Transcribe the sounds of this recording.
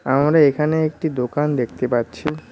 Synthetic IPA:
amɾaekʰaneek̚ʈid̪okand̪ek̚ʰt̪epatːɕʰi

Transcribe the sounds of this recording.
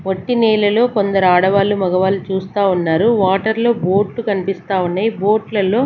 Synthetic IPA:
ʋoʈːinɛːlɐlo̞ːkond̪ɐɾuaːɽɐʋaːlumɐɡɐʋaːlut͡ʃuːst̪aːunːaːɾuʋaːʈɐɾlo̞ːbo̞ːɾʈlukɐnipist̪aːunːaːjibo̞ːʈlɐlo̞ː

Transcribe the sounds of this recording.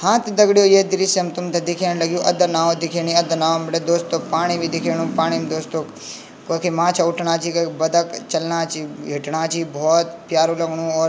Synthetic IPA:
hãːt̪ʰd̪ɐɡɽijoːjed̪ɪɾisemt̪ʊmt̪ʰed̪ɪkʰeːñilɐɡjoːʔɐd̪ənaːʋod̪ɪkʰeːɽ̃iɐd̪ənaːomʈed̪oːst̪oːpaːɽ̃ibʱid̪ɪkʰeːnũpaːɽ̃imd̪oːst̪oː | kɐkʰemãːt͡ʃʰaʊʈʰɳaːt͡ʃʰikɐkbɐd̪əkt͡ʃɐlnaːt͡ʃʰiɦɪʈɳaːt͡ʃʰibʱɔːt̪pjaːɾuːlɐɡɳũɔːɾ

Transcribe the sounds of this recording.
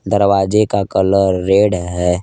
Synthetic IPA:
d̪əɾwaːd͡ʒekakələɾːeːɽɦɛː

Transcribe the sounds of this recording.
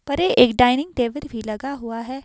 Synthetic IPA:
pɐɾeːʔeːkɖaːɪnɪ̃ŋɡt̪eːʋəɾbʱiːlɐɡaɦʊaɦɛː

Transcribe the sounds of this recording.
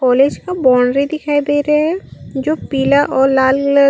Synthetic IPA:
ɔːleːd͡ʒkabɔːɳɾid̪ɪkʰaːid̪eːɾaɦɛd͡ʒoːpiːlaʔɔːɾlaːlɡlə

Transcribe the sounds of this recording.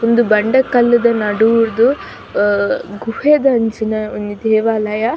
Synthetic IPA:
ond̪ubɐɳɖɐkɐlːɐd̪ɐnɐɽuːɾd̪u | ɡuheːd̪ɐɐɲt͡ʃinɐonid̪ɛːʋaːlɐjɐ

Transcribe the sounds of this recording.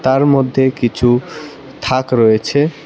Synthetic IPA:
t̪aɾmod̪ʱːekit͡ɕʰu | t̪ʰakɾɔet͡ɕʰe

